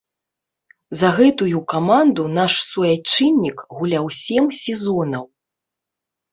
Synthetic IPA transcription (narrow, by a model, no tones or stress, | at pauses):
zɐɣɛt̪ujukamand̪unaʂsvɔjat͡ʂɨnʲːikɣulʲawsʲɛmsʲɛzɔnɐw